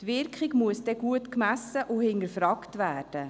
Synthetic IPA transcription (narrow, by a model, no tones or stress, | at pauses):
tʋɪɾkχiɡmuəsd̥ɛɡuətkmæsəʔʊhɪndəɾfɾɑːktʋæːrd̥ə